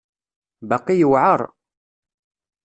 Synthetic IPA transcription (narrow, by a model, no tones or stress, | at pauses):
bɑqːijəwʕəɾˤ